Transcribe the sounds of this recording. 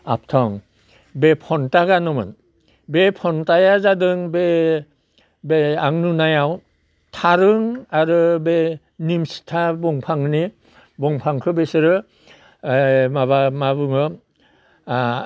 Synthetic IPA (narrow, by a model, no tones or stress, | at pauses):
a̰p̚tʰɔŋ | bepʰɔntaɡanɔmɯ̰n | bepʰɔntajazadɯŋbe | beaŋnunajaw | tʰaɾɯŋaɾɯbe | nimsi̥tʰabɔŋpʰaŋni | bɔŋpʰaŋkʰɯbesɯɾɯ | maβamabɯŋɯ